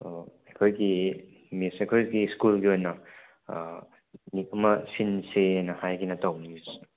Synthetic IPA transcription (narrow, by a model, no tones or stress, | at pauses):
ekʰojɡi | misekʰojɡiskulɡiojnɐ | nik̚ɐmɐsinsenɐhajɡinɐtawnimis